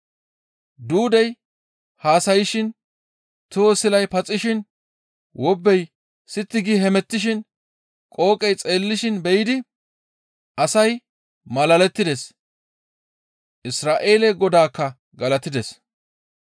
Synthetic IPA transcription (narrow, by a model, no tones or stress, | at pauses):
d̪uːd̪ɛj | haːsɐjɪʃɪn | t̪usɪlɐjpɐt͡sʼːɪʃɪn | wɔbːɛj | sɪt̪ːɪɡiɦɛmɛt̪ːɪʃ̬ɪn | kʼo̞ːkʼɛjt͡sʼe̞ːlːɪʃɪnbɛjɪd̪ɪ | ʔɐsɐj | mɐlɐlɛt̪ːɪd̪ɛs | ʔɪsɾaːʔe̞ːlɛɡɔd̪aːkːɐ | ɡɐlɐt̪ɪd̪ɛs